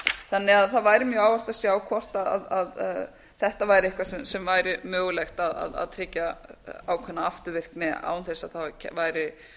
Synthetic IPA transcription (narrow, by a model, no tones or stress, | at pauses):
θanːɪaðθaðvaːjɾɪmjœːaːwvar̥t̪asjaːwkʰɔr̥t̪aða̰ðað | θɛht̪avaːjɾɪɪhkvasɛmsɛmvaːjɾɪmœːɣʏlɛjxt̪aða̰ða̰ðt̪ʰɾɪcːaaːwkʰvɛnːaaft̪ʏvɪr̥knɪa̰ːwnθejsaðθaɛ̰vaːjɾɪ